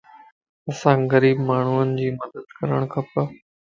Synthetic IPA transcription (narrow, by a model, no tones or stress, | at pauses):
ɐsãːɣɐɾiːbmaːɳ̤uənɪ̆d͡ʑiːmɐd̪əd̪̚kɐɾəɽ̃kʰɐpɐ